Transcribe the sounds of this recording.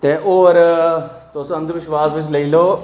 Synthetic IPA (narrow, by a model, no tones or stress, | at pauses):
t̪eːʔoːɾt̪oːsə̃nd̪ʋɪʃʋaːsʋɪt͡ʃləiːloː